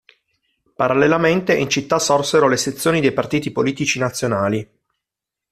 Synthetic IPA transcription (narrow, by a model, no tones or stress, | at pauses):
paɾalːelament̪eʔint͡ʃit̪ːasɔrseɾoleset̪sːjoːnid̪ejpart̪iːt̪ipoliːt̪it͡ʃinat̪sːjonaːli